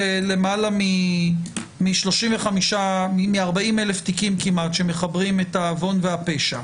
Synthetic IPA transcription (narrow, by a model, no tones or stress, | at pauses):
ele̞malami | miʃlo̞ʃimveχamiʃaimiaʁbaimeleft̪ikimkimatʃe̞me̞χabʁimetaːvo̞nveape̞ʃa